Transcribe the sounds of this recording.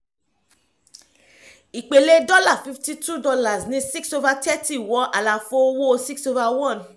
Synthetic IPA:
i˨k͡pe˨le˦dɔ˦la˦˨fi˦fti˦tʰu˦dɔ˧la˨snĩ˦si˦kso˧va˧tɛ˦ti˦˨wɔ˦ʔa˨la˨fo˦wo˦si˦kso˧va˧wɔ̃˦˨n

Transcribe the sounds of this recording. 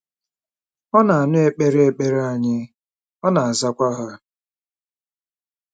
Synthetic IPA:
ɔ˦na˨a˨nʊ˦e˦k͡pe˦ɾe˦e˦˨k͡pe˦ɾa˦˨ɲɪ˦ | ɔ˦na˨a˨za˦kʷa˦ɦa˦

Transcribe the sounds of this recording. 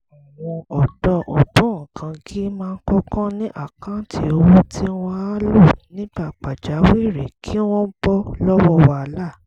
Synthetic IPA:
ã˨w̃ɔ̃˧ɔ˨dɔ˧ʔo˨bõ˨˦ã˨kʰã˧ki˦mãː˦˧n̩˦kɔ˦kã˦nĩ˦ʔa̰˦˨kã˨˦ti˧o˧wo˦tʰi˦w̃ɔ̃˧a˦lo˦˨nĩ˦ɡ͡ba˦˨k͡pa˨d͡ʒa˨˦wi˦˨ɾe˨kʰi˦w̃ɔ̃˦m̩˦bɔ˦lɔ˦wɔ˦wa˧˦la˦˨

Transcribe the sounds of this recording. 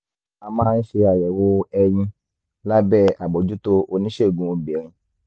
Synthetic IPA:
a˧mãː˦n̩˦ʃe˧a˨jɛ˨wo˧˦ɛ˧j̃ĩ˧ | la˦bɛ˦˨a˨bɔ˨d͡ʒu˨˦to˧ʔo˧nĩ˦ʃe˦˨ɡũ˨˦o˧˨be˨ɾ̃ĩ˧

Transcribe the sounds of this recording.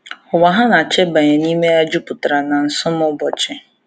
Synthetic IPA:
ɔ˨wa˨ɦa˦na˨t͡ʃɛ˦ba˨ɲa˨niː˦me˦a˦d͡ʒu˦pʊ˨tɾa˨nã˨n̩˨sʊ˦mɔ˦bɔ˨t͡ʃɛ˦

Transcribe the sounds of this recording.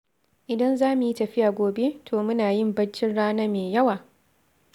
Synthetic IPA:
ʔɪ˨dɐ˦nzaː˦mu˨ji˦tɐ˨ɸɪ˦jaː˨ɡʷoː˨be˦tʰoː˨mʊ˦naː˨jɪ˦mbɐ˦nt͡ʃɪ˦nɽaː˦nɐ˦meː˨jɐ˦waː˨

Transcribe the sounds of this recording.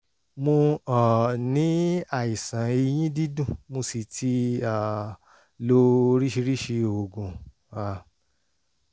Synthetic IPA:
mo˧ɔ˨nĩ˨˦a˦˨i˨sã˨˦ei˧j̃ĩ˦di˦dũ˦˨mo˧si˨tʰi˧˦a˨ | lo˧˦ɾi˦ʃi˧ɾi˦ʃi˧o˨ɡũ˨ | a˨

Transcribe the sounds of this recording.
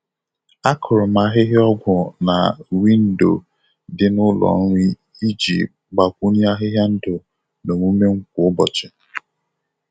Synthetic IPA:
a˦kʰʊ˨ɾʊ˨ma˨˦ɦɪ˦ɦɪ˦ɔ˦ɡʷʊ˨na˨wi˦n̩˦do̰˨ | dɪ˦nʊ˦lɔ̰˨˦ŋʷi˦ | i˦d͡ʒḭ˨ | ɡ͡ba˨kʷu˦ni˦a˦ɦɪ˦ɦja˦n̩˦dʊ˨ | no˨mu˦me˦ŋ̩˦kʷʊ˨ʊ˦bɔ˨t͡ʃɪ˨

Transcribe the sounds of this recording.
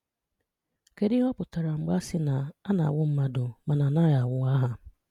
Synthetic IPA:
ke˦dɪ˦ɦɔ˦pʊ˨ta˨ɾa˨ŋ͡m̩˨ɡ͡ba˦sɪ˦na˨a˦na̰˨wʊ˦m̩˦ma˦do˨ma˨na˨na˦ja˨wʊ˦a˦ɦa˨

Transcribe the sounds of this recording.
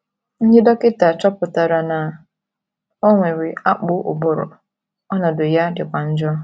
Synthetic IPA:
n̩˦d͡ʒɪ˦dɔ˦kɪ˦ta˨t͡ʃɔ˦pʊ˨ta˨ɾa˨na˨ | ɔ˦ŋʷe˨ɾe˨a˦k͡pʊ˦ʔʊ̰˨bʊ˦ɾʊ̰˨ | ɔ˦nɔ˨dʊ˨ja˦dɪ˨kʷa˨n̩˦d͡ʒɔ˦

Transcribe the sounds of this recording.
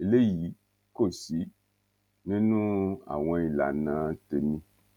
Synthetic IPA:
e˨le˦ji˨˦ | ko˦˨si˨˦ | nĩ˦nũ˦a̰˨w̃ɔ̃˧i˨la̰˨nãː˨˦te˧nĩ˦

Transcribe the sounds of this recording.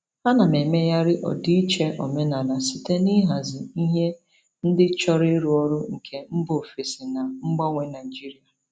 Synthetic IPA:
a˦na˨me˨me˦ja˦ɾɪ˦ʔɔ̰˨di˦i˦t͡ʃe˦ʔɔ̰˨me˦na˨na˨si˨te˦ni˦ɦa˨zɪ˨i˦ɦe˦ | n̩˦dɪ˦t͡ʃɔ˦ɾɪ˦ɾu˦ɔ˦ɾʊ˦ŋ̩˨kʰe˦m̩˦bo˨fi˨si˨na˨ŋ͡m̩˦ɡ͡bɔ˦ŋʷe˦na˨i˨d͡ʒi˦ɾi˨a˨

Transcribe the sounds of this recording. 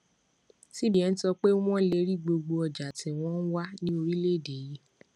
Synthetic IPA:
si˦bi˨ɛ˨n̩˦tɔ˧k͡pe˦w̃ɔ̃˦le˧˦ɾi˦˨ɡ͡bo˧ɡ͡bo˧ɔ˧d͡ʒa˨tʰĩ˨w̃ɔ̃˦n̩˦wa˦nĩ˦o˧ɾi˦le˦˨de˨ji˦

